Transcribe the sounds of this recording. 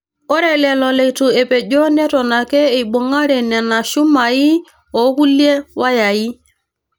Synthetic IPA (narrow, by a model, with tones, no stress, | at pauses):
ɔ˦ɾɛ˨lɛ˨lɔ˨lɛ˨itu˨e˨pe˨ɟo˦nɛ˦tɔ˨na˨kɛː˦˨ɓo˨ŋa˦ɾɛ˨nɛ˨na˨ʃu˦ma˨i˦ | ɔ˨˦ku˦lje˦wa˦ja˨ji˦